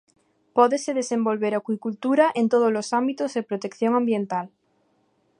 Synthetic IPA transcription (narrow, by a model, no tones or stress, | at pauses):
poðeseð̞esẽmbolβeɾakwikult̪uɾaʔent̪oð̞ozlosambit̪ozðepɾot̪ekθjoŋãmbjẽ̞nt̪al